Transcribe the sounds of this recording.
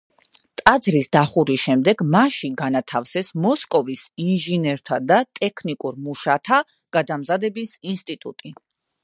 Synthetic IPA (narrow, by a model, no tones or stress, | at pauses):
t̪ʼad̪zɾisd̪aχuɾisʃɛmd̪ɛɡmaʃiɡanat̪ʰafsɛsmɔskʼɔvisinʒinɛɾt̪ʰad̪at̪ʼɛkʰnikʼuɾmuʃat̪ʰa | ɡ̥ad̪amzad̪ɛbisinst̪ʼit̪ʼṵt̪ʼi